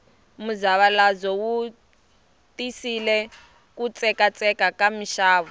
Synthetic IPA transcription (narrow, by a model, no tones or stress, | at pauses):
muzaβalazɔwu | tisilɛ | kut͡sʼɛkat͡sʼɛkakamiʃaːβɔ